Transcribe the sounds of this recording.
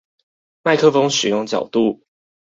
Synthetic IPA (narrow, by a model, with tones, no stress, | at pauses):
ma˥˩ɪkʰɤ˥fo˦ŋʂɻ̩˨˩jʊ˥˩ŋt͡ɕjɑ˨˩ʊt̪u˥˩